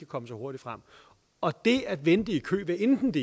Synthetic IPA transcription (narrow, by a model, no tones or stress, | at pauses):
ækʰɒ̽məsɒ̽ho̝ɐd̥i̥fʁam̰ | ɒ̽d̥e̝æd̥ʋend̥ikʰø̰ːʋeend̥n̩d̥e